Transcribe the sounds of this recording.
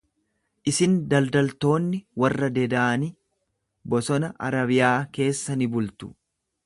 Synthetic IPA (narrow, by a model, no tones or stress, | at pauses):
ʔɪsɪnd̪ɐld̪ɐlt̪o̞ːnːɪwɐrːɐd̪ɛd̪aːnɪ | bɔsɔnɐʔɐ̰ɾɐβɪjaːke̞ːsːɐnɪbʊlt̪ʊ̥